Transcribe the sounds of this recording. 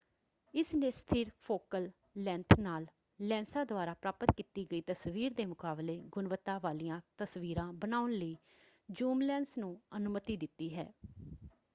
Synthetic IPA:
ɪsneːst̪ʰɪɾpʰoːkəlː | ɛ̃ːnt̪ʰnaːlː | ɛ̃ːnsãːd̪ʊaːɾaːpɾaːpət̪kiːt̪iːɡəiːt̪əsʋiːɾd̪eːmʊkaːbleːɡʊnʋət̪ːaːʋaːlijãːt̪əsʋiːɾãːbənaːʊnləiː | d͡ʒuːmlɛ̃ːnsnũːənʊmət̪iːd̪ɪt̪ːiːɦɛ̰ː

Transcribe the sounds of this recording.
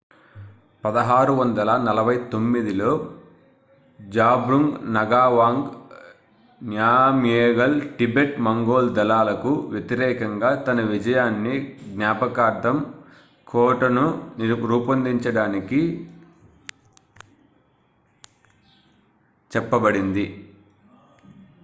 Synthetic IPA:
pɐd̪ɐɦaːɾuʋɐnd̪ɐlɐnɐlɐbʱɐjt̪o̞mːid̪ilo̞ː | d͡ʒaːbɾuŋɡnɐɡaːʋaːŋɡ | njaːmjeːɡɐlʈibeʈmɐŋɡoːld̪ɐlaːlɐkuʋjet̪iɾɛːkɐŋɡaːt̪ɐnɐʋid͡ʒɐjaːnːiɡnjaːpɐkaːɾd̪ɐm | kʰɔːʈɐnunɾuːpɐnd̪iɲt͡ʃɐɽaːniki | t͡ʃɛpːɐbɐɽind̪i

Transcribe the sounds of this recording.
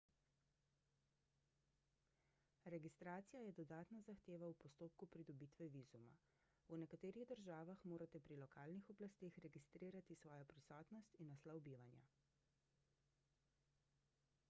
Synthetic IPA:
ɾɛɡist̪ɾaːt̪sijajɛd̪ɔd̪aːt̪nazaxt̪eːʋawpɔst̪oːp̚kupɾid̪ɔbiːt̪ʋɛʋizuma̰ | unɛkat̪eːɾiɣd̪əɾʒaːʋaxmoːɾat̪ɛpɾilɔkaːlnixɔblast̪eːxɾɛɡist̪ɾiːɾat̪isʋɔːjɔpɾisɔːt̪nɔst̪inːaslawbiːʋanja̰

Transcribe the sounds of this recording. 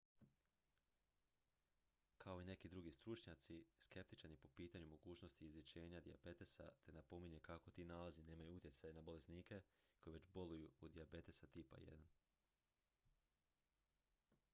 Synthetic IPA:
kʰao̞ine̞kid̪ɾuɡist̪ɾut͡ʃɲat̪siske̞p̚t̪i̥t͡ʃaɾnipo̞piːt̪aɲumo̞ɡuːt͡ʃno̞st̪iːzʋit͡ɕe̞ːɲad̪ia̰be̞t̪esa̰t̪e̞napo̞miɲe̞kako̞t̪iːnalazine̞ːmajuut̪jetsajenabo̞le̞sniːke̞ko̞jeʋe̞t͡ɕbo̞lujuːd̪iabe̞t̪esat̪ipa̰jḛd̪an

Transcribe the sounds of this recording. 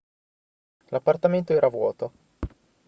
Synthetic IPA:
lapːart̪ament̪oɛːɾavwɔːt̪o

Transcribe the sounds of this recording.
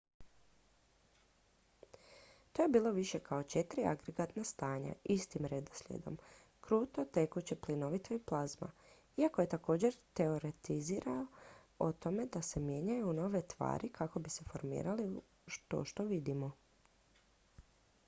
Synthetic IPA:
t̪o̞je̞biːlˠo̞ʋiʃe̞kʰao̞t͡ʃe̞t̪ɾia̰ɡɾeɡat̪nast̪aːɲa̰ist̪imɾed̪oslʲḛd̪o̞̰m | kɾuːt̪ot̪e̞kut͡ɕeplino̞ʋit̪oiplˠazma̰ | iakoje̞t̪ako̞ːd͡ʑe̞ɾt̪e̞o̞ɾe̞t̪iziːɾao | ot̪o̞me̞d̪ase̞mje̞ɲajuno̞ːʋe̞t̪ʋa̰ːɾikʰako̞bise̞fo̞ɾmḭːɾali | ʃt̪o̰ʃt̪o̞ʋid̪imo

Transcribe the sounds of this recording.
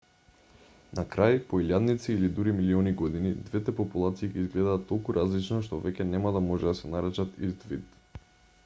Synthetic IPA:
nakɾajpoiljad̪nit̪siːlid̪uɾimiliɔniɡɔd̪inid̪vɛt̪ɛpɔpulˠat̪siːkɛizɡlɛd̪aːt̪ːɔlˠkuɾʔazlit͡ʃnɔʃt̪ɔvɛcʲɛnɛmad̪amɔʒɛd̪asɛnaɾɛt͡ʃat̪izd̪vit̪

